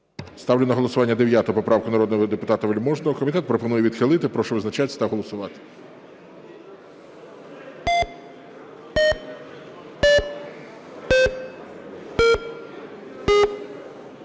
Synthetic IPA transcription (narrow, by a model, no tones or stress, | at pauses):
st̪ɑwlʲenɐɦɔlˠɔsʊʋɑnʲːɐd̪eʋʲjat̪ɔʊpɔpɾɑwkʊnɐɾɔd̪nɔɦɔd̪epʊt̪ɑt̪ɐʋelʲmɔʒnɔɦɔkɔmʲit̪ɛt̪̚pɾɔpɔnujɛʋʲid̪xɪlˠɪt̪ɪpɾɔʃʊʋɪznɐt͡ʃat̪ʲsʲɐ̥t̪ɐɦɔlˠɔsʊʋɑt̪ɪ̥